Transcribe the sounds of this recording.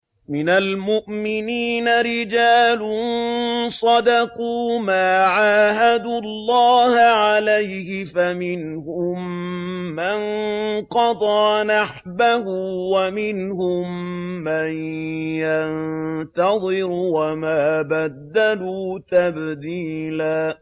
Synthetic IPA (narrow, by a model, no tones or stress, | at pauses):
mɪnalmʊʔmɪniːnaɾɪd͡ʒaːlʊnnsˤɑd̪ɑquːmaːʕaːɦad̪uːɑlːɑːhʕalajhɪfamɪnhʊmː | anqɑd̪ˤɑːnaħ | bahuːwamɪnhʊmːajjant̪ɑd̪ˤɨɾwamaːbad̪ːaluːt̪abd̪iːlaː